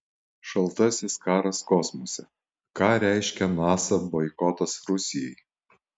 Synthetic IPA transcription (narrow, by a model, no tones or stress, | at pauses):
ʃɐlˠˑt̪ɐsʲɪskɑːɾɐskɔsmɔsʲɛ | kɑːɾʲæɪʃʲkʲɛnɑːsɐbɔɪkɔt̪ɐsɾʊsʲɪjɛɪ